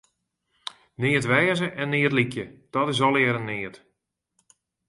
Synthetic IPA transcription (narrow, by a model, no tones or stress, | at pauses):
nɪətʋɛːzəʔɛnːɪətlikjəd̥ɔtɪs̬ɔlˠɪəɾənːɪət